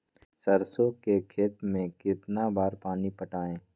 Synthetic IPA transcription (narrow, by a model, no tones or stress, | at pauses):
səɾsokekʰeːt̪mẽkɪt̪nabaːɾpaːnipəʈaːẽː